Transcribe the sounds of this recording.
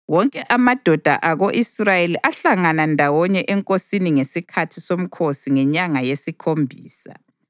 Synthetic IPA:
wɔŋkʼɛʔamad̥ʱɔd̥ʱa̰ʔaɣoʔisrajeliʔaɬaŋanandʱawɔɲɛʔɛŋkʼosiniŋesikʰatʰisom̩kʰosiŋɛɲaŋajesikʰombʱiːsa̰

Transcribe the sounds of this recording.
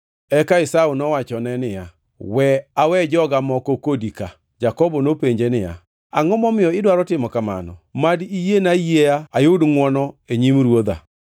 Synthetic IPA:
ɛkaɪsaunɔwat͡ʃɔnɛnɪja | wɛawɛd͡ʒɔɡamɔkɔkodika | d͡ʒakɔbɔnopeɲd͡ʒenɪja̰ | aŋɔmɔmɪjɔɪdwaɾɔtɪmɔkama̰nɔ̰madijenajeaajodŋwɔnɔeɲimɾwod̪a̰

